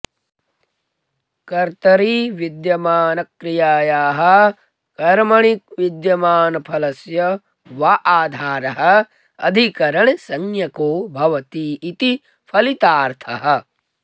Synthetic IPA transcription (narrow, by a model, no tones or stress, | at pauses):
kɐɾt̪ɐɾiʋid̪jɐmaːnɐkɾijaːjaːɦɐ | kɐɾmɐɳik̚ʋid̪jɐmaːnɐpʰɐlɐsjɐ | ʋɐʔaːd̪ʱaːɾɐɦɐ̆ | ɐ̰d̪ʱikɐɾɐɳ̃sɐŋjɐkoːbʱɐʋɐt̪iːt̪i | pʰɐlit̪aːɾt̪ʰɐɦɐ̆